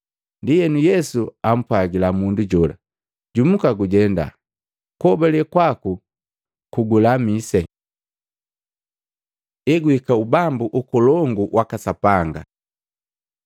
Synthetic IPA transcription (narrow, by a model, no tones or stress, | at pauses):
ndijɛnujɛsuam̩pwaɡilamunduɟɔla̰ | ɟumukaɡuɟɛnda̰ | kɔbɛlɛkwaku | kuɡulamisɛ | ɛɡwikaubambuʔukɔlɔŋɡuwakasapaŋɡa̰